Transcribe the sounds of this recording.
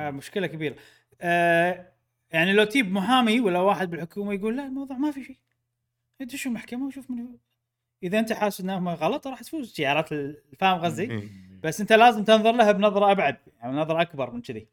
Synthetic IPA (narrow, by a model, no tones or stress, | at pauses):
mʊʃkɪlakabiːɾa | jaʕnilawt̪iːbmʊɦaːmiwalːawaːħɪd̪̚bɪlħʊkuːmajɡuːlːaʔlmɑwðˤuːʕmafiʃej | ɪd̪ʃumaħkamawʃuːfmɪn | ʔəðaʔɪnt̪aħaːsɪnːahmaɣɑlɑt̪ˤɾˤɑːħt̪fuːzʃɪʕɑːɾˤɑːt̪ɪlfaːmɣazːib̥asʔɪnt̪alaːzɪmt̪ɪnðˤʊɾˤlaɦabnɑðˤɾˤɑʔabʕad̪̚jaaʕninɑðˤɾˤɑʔakbɑɾˤmɪnt͡ʃɪðḭ